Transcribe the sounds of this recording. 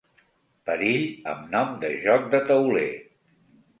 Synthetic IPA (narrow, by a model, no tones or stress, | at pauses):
pəɾiʎə̰mnɔmd̪əʒɔk̚d̪ət̪əwlḛ